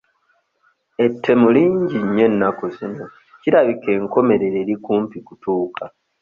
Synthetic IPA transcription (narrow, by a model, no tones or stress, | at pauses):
e̞tʰːe̞muliːɲɟiɲːe̞nːakuzino̞ | ciɾaβike̞ːŋko̞me̞ɾe̞ɾeːɾikuːmpikutuːka